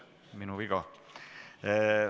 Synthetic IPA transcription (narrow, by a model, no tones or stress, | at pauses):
minuviɡ̥ɑ